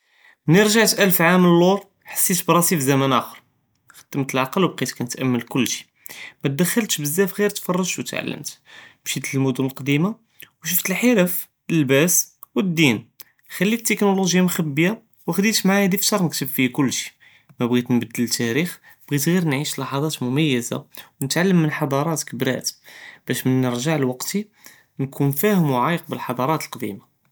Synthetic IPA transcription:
nəɾʒaʕt̪ʔælfʕaməlːuɾˤ | ħə̥sːit̪bɾˤɑsifzæmænʔæxəɾˤ | xə̥d̪̥ːəmt̪əlʕɑqəlwb̚qit̪kænət̪ʔæmːəlkʊlːʃi̥ | mæt̪̚d̪əxːəlt̪ʃbəzːæfɣiɾt̪fɑrˤːɑʒt̪wət̪ʕa̰lːə̰mt̪bʃit̪əlmʊd̪ʊnəlqd̪ima | wʃ̬ʊft̪əlħəɾəf | əlbæswəd̪ːin | xælːit̪ːəknuluʒjamxæbːəja | wəxd̪it̪maʕahæd̪ift̪ɑɾˤnəkt̪əbfihkʊlːʃi̥ | mæbɣit̪nbəd̪ːəlt̪ːæɾix | b̥ɣit̪ɣiɾnʕiʃlɑħɑd̪ˤɑt̪mʊmæjːəza̰wnət̪ʕalːəmːənħɑd̪ˤɑɾˤɑt̪kəbɾæ̰t̪b̥æʃmənːəɾʒaʕlwɑqt̪i | nkʰunfæhəmwʕajəq̚bəlħɑd̪ˤɑɾˤɑt̪əlqd̪ḭma

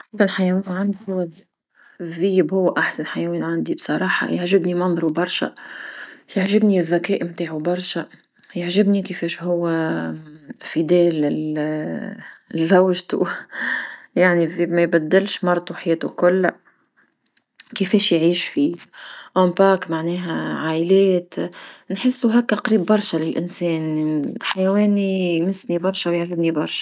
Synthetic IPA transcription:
ʔʔaħsanħajɛwiːnʕand̪ihʊwːæ | ðiːbhʊwːʔaħsanħajɛwiːnʕand̪ibsˤɑɾˤɑːħɑ̰jaʕʒɪbnimɑnðˤɾubɑɾˤʃæ̰ | jaʕʒɪbniðækɛːʔmt̪aːʕubɑɾˤʃæ | jaʕʒɪbnikɪfɛːʃɦʊwːæ | fid̪ɛːlɪl | zawʒt̪ṵ | jaʕnifimæjbæd̪ːɪlʃmɑɾˤt̪ˤuħajɛːt̪ukʊlː | kɪfɛːʃjʕiːʃfiʔompaːkmaʕnɛːɦæʕaːʔɪlɛːt̪nħɪsːuɦækːæqɾiːbːɑɾˤʃælɪlʔɪnsɛːnħajæwɛːnijmɪsnibɑɾˤʃawjaʕʒɪbnibɑɾˤʃḁ

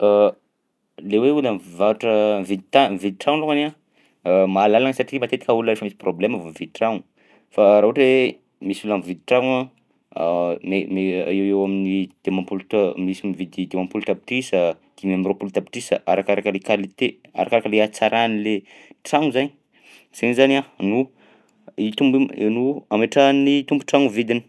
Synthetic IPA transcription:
a | leweuləmvaʈ͡ʂəvid̪it̪amvid̪̚iʈ͡ʂaŋlokana | maːlalaŋəsaʈ͡ʂimat̪et̪i̥kauləɾefəmisi̥probleməvomvid̪̚ʈ͡ʂaŋu | faɾaɦʈ͡ʂe | misulamvid̪iʈ͡ʂaŋa | memeeewaminid̪̥emapulumisimivid̪id̪emampulut̪api̥ʈ͡ʂisə | d̪̥imamropult̪api̥ʈ͡ʂisə̰aɾakaɾakəlekalit̪ea̰ɾakaɾakəleat͡saɾʔanile | ʈ͡ʂaŋuzaɲi | z̥enizananu | it̪umbnuameʈ͡ʂanit̪umbu̥ʈ͡ʂaŋuvid̪ini̥

